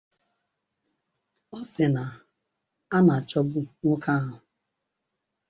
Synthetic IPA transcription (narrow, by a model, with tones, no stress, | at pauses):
ɔ˦sɪ˨na˨ | a˦na˨a˨t͡ʃɔ˦bʊ˦ŋʷʊ˦kʰa˦a˦˨ɦʊ˨